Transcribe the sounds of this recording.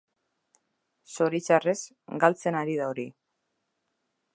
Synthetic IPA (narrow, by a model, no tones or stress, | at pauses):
so̞ɾit͡ʃare̞s | ɡalt͡se̞naɾiðaoɾi